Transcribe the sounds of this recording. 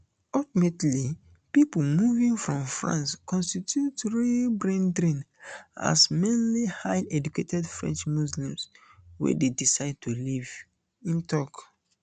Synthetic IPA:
ɔtimetli | pipomuvĩŋfɹɔ̃mfɹã̰nskʰɔ̃nstitʰjutɹibɹɛ̃ndɹĩn | a̰smẽnlihaɪʔɛd͡ʒuketʰɛdfɹɛ̰̃nt͡ʃmuslĩmswɛ̰dedisaɪd̚tʰuliv | ĩntɔk

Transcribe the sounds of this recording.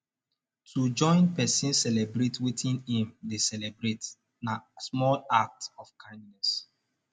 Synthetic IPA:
tʰud͡ʒɔ̃ɪ̃npɛsĩnsɛlɛbɹetwitĩnhĩmdesɛlɛbɹet | nasmɔlak̚tɔfkʰãɪ̃ndnɛs

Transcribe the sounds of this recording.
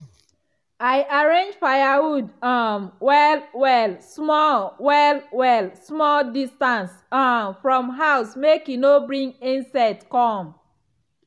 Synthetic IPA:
aɪʔaɹẽnd͡ʒfajawudamwɛlwɛlsmɔwɛlwɛlsmɔldistãns | amfɹɔ̃mɦaʊsmekjunobɹĩŋĩnsɛtkɔm

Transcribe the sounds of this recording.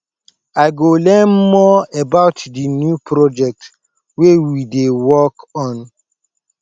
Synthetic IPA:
aɪɡolɛ̃nmɔɛbaʊtdinjupʰɹɔd͡ʒɛk̚t | wewidewɔkɔ̃n

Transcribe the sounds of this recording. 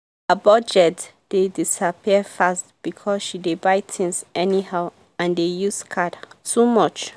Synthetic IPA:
əbɔd͡ʒɛtd̥edisapʰiəfastb̥ikʰɔsʃidebaɪtʰɪ̃ŋsɛnihaʊ | ãndejuskʰadtumɔt͡ʃ

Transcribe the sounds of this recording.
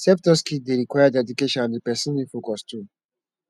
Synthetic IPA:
sɛp̚tɔskideɾikwajadɛdukeʃɔ̃nãndəpɛsɔ̃nĩfokɔstʰũm

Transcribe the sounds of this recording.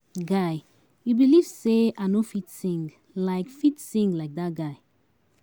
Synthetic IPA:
ɡaɪ | jubiliv̥seʔanofitsĩŋ | laɪkfitsĩŋɡlaɪk̚dat̚ɡaɪ

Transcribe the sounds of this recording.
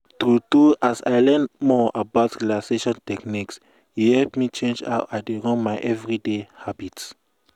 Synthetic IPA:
tuduasa̰ɪlɛ̃nmɔabaʊtilaseʃɔ̃ntɛkniks | juhɛlpmit͡ʃẽnd͡ʒa̰ʊʔaɪdeɹɔ̃nmaɪʔɛvɹidehabit

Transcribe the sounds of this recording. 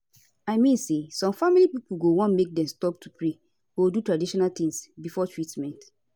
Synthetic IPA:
aɪmĩnsesɔ̃mfamilipipuɡowɔ̃nmek̚dɛ̃mstɔp̚tʰupʰɹe | ɡ̥odutɹadiʃɔnalt̪ĩŋsbifɔtʰɹitmɛ̃nt

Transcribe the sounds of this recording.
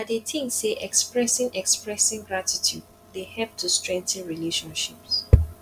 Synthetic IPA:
adetʰɪ̃ŋseʔɛkspɹɛsɪ̃ŋɛkspɹɛsɪ̃ŋɡɹatitʰjṵd̚ | dehɛp̚tʰustɹɛ̃ŋk̚tə̃nɹileʃɔ̃nʃips

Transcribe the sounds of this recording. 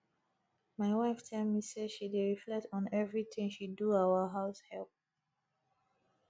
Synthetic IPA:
maɪwaɪftʰɛlˠmiseʃideɹiflɛk̚tʰɔ̃nɛvɹit̪ʰɪ̃ŋʃidduaʊəɦaʊshɛlp̚

